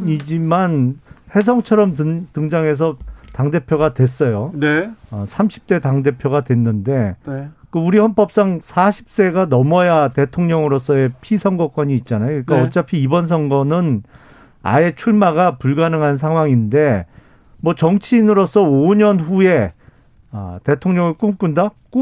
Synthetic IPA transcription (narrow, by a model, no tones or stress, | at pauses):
id͡ʑimanhe̞s̬ʰʌŋt͡ɕʰʌɾʌmtɯŋd͡ʑaŋe̞s̬ʰʌtaŋde̞pʰjoɡadwe̞s͈ʌjoneʌsʰamɕʰi̥p̚t͈e̞taŋde̞pʰjoɡadwe̞nːɯnde̞kɯuɾihʌnp͈ʌp̚s͈aŋsʰaɕʰi̥p̚s͈e̞ɡanʌmʌjate̞tʰoŋɲʌŋɯɾos͈ʰʌe̞pʰisʰʌŋɡʌk͈wʌɲiːt̚t͡ɕ͈anajokɯik͈aʌt͡ɕ͈apʰiːbʌns̬ʰʌŋɡʌnɯn | a̰e̞t͡ɕʰuɭmaɡapuɭɡanɯŋɦansʰaŋɦwaŋinde̞ | mwʌt͡ɕʌŋt͡ɕʰiːnɯɾos͈ʌoɲʌnɸue̞ | ʌte̞tʰoŋɲʌŋɯɭk͈umk͈undak͈u